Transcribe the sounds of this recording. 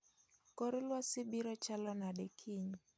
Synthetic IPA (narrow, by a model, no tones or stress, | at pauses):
kɔɾɪlwasɪbiɾɔt͡ʃalɔnadɛkʰiɲ